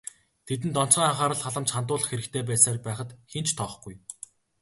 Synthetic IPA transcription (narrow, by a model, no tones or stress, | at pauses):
t̪ʰet̪̬ɘ̆nt̪ɔn̥t͡sɢiːŋaχaːɾə̆ɮχaɮə̆mt͡ɕχant̪̬ʊːɮə̆χxeɾɘ̆kt̪ʰeːp̬æːsaːrpæːχə̆t̪xent͡ɕt̪ʰɔːχɡuj